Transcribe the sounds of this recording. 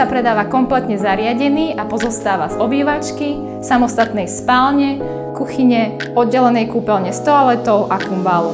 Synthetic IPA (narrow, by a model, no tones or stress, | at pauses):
apɾɛd̪aːʋakɔmplɛt̪ɲɛzaɾɪaɟɛniːʔapɔzɔst̪aːʋazɔbiːʋat͡ʃki | samɔst̪at̪nɛjspaːlɲɛ | kuxiɲɛ | ɔd̪̚ɟɛlɛnɛjkuːpɛlɲɛst̪ɔalɛt̪ɔʊʔakumbalu